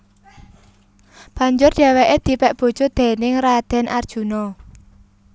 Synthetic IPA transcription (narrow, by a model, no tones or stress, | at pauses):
b̥a̤ɲd͡ʒʊrd̪̥ɛ̤weʔed̪̥i̤pɛʔb̥o̤d̥ʒ̥ɔ̤d̪̥ɛ̤nɪŋrad̪̥ɛ̤nʔard̥ʒ̥ṳnɔ